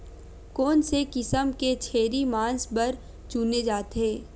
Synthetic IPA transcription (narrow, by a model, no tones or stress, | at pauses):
koːnsekɪsəmket͡ʃʰeːɾimãːnsbɐɾ | t͡ʃuːned͡ʒaːt̪eː